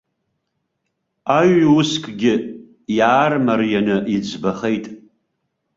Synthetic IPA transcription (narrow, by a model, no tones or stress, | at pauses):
aɥʊskʼɡʲɪ | jaːrmarjanɨʔid͡zbaχejtʼ